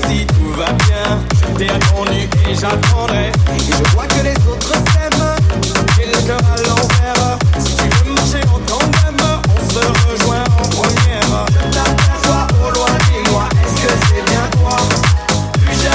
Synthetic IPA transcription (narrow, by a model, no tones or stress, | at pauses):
sit̪uvabjɛ̃ | ʒət̪ɛat̪ɑ̃d̪yeʒat̪ɑ̃d̪ɛ | eʒəkʁwakəlezot̪χəfɛmsɔ̃kɛlkɑ̃alɑ̃vɛʁssiʒəmaʃeɑ̃t̪ɑ̃ɛmɔ̃səʁəʒwɛ̃d̪ʁɑ̃pχəmjɛʁʒət̪at̪ɛswaolwaʃɛmwaɛskəsɛbjɛ̃t̪wa | plyz